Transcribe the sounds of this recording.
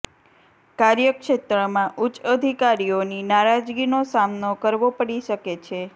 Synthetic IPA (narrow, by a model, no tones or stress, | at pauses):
kaɾjəkʃet̪ɾəmãʔut͡ʃəd̪ʱikaɾioninaɾad͡ʒɡinosamnokəɾʋopəɽiʃəket͡ʃʰe